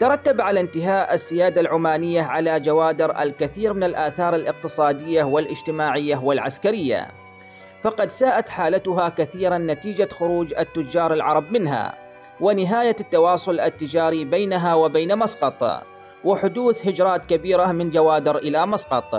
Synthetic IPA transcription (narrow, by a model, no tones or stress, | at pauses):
t̪ɑɾˤɑt̪ːabʕalant̪ɪɦaːʔasːɪjaːd̪alʕʊmaːnɪjːaʕalad͡ʒawaːd̪ɪɾʔa̰lkaθiːɾmɪnalʔaːθɑːɾˤalʔɪq̚t̪ɨsˤɑːd̪ɪjːawɪlʔɪd͡ʒt̪ɪmaːʕɪjːawɪlʕaskaɾɪjːa̰ | fɑqɑd̪saːʔat̪ħaːlat̪ʊɦakaθiːɾanːat̪iːd͡ʒaxʊɾuːd͡ʒat̪ːʊd͡ʒːɑːɾˤɪlʕɑɾˤɑbmɪnɦa̰ː | wɪnɪɦaːjat̪ːɑwɑːsˤʊlʔat̪ːɪd͡ʒaːɾibeːnaɦaːwɪbeːnamɑsqɑt̪ˤ | wɪħʊd̪uːθhɪd͡ʒɾˤɑːt̪kabiːɾamɪnd͡ʒawaːd̪ɪɾʔɪlamɑsqɑt̪ˤ